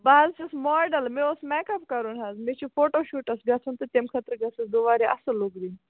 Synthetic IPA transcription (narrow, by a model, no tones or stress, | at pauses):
baːzʰɐsmɔːɖɐlmeosmɛːkɐpkɐɾunɦɐzmet͡ʃʰufoːʈoːʃuːʈɐsɡɐt͡sʰunt̪ɨt̪emkʰɐt̪ɾɡɐt͡sɐsd̪oʋaːɾeʔɐsɨloɡdin